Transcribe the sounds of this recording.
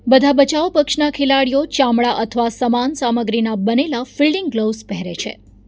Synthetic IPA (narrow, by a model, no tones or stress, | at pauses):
bəd̪ʱabət͡ʃaʋpəkʃnakʰelaɽijot͡ʃamɭaʔət̪ʰəʋasəmansaməɡɾinabənelafilɖɪŋɡɡlospɛɦɾḛt͡ʃʰḛ